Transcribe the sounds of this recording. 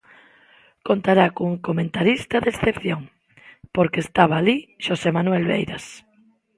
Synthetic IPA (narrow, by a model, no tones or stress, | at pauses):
kont̪aɾakoŋkomẽnt̪aɾist̪aðesθepθjoŋ | poɾkest̪aβaːliʃosemanwelβḛjɾas